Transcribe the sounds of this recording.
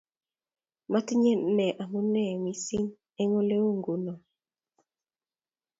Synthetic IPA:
ma˦ti˦ɲe˦nɛ˨ʔa˨mu˦nɛ˦˨wi˦si˦n | e˦ŋo˦le˦o˦ŋɡu˨nɔ˨

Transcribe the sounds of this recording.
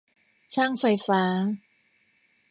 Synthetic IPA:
t͡ɕʰaː˥˩ŋfa˧jfaː˦˥

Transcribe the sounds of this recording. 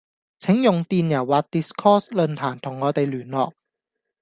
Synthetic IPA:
t͡sʰɪ˨˥ŋjʊ˨ŋt̪iː˨njɐ˨˩wːaː˨˩k̚t̪iː˨˩skʰɔː˥slɵ˧nt̪ʰaː˨˩nt̪ʰʊ˨˩ŋːɔː˨˧t̪e˨jlyː˨˩nlɔ̰ː˨k̚

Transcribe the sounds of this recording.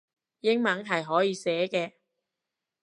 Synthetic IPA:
jɪ˥ŋmɐ˨˥ŋɦɐ˨jɦɔː˨˥jiː˨˧sɛː˨˥kɛː˧

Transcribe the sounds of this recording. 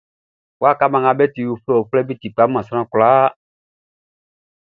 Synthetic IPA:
wa˦˨ka˦mã˨ŋã˨bɛ˦ti˨wu˨fɛ˦˨o˨flɛ˦bi˦ti˨k͡pa˨˦mã˨sɾ̃ã˦kla˨˦

